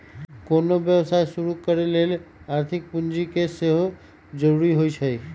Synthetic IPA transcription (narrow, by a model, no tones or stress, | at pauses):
konobjəʋsaesuɾukəɾeleːlaɾt̪ʰɪk̚pʊnd͡ʒikeseɦo | d͡ʒəɾuɾiɦoit͡ʃʰəi